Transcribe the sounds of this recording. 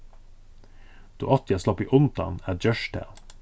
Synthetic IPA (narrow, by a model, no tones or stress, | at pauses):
d̪̥o̰ːʔɑt̪jɑslɑpḭːʔʊnt̪ɑ̰næːd͡ʒœʃtʰæ̰l